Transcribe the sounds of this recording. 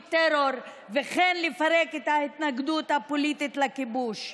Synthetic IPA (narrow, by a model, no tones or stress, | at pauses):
t̪eɾoɾ | veχenlefaɾeket̪hait̪naɡd̪ut̪hapolit̪it̪lakibuʃ